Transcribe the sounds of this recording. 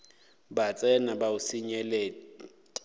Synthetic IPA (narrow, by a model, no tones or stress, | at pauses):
bat͡sʼɛnabaʊsiɲɛlɛ